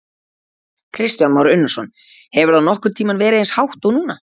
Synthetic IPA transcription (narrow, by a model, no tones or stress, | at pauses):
kʰɾɪst̪janmawɾʏnːasɔn | hɛvʏɾðawnɔhkʏmt̪ʰiːmanvɛːɾɪenshawht̪ownuːna